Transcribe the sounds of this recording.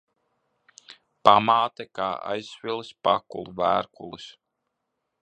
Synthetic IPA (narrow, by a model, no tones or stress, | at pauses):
pamaːt̪ɛkaːa̰jsfʲilˠspakulˠuvæːɾkulˠus